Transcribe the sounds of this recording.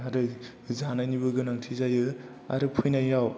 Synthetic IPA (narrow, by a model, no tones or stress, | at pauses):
aɾɯ | zanajnibɯɡɯnaŋtʰizajɯ | a̰ɾɯpʰujnajjaw